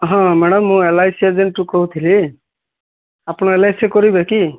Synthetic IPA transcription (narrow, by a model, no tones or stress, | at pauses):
ɦɔ̃mɛɽɔmːũelajsezenʈukɔɦut̪ʰili | apnɔelajsekɔɾibeki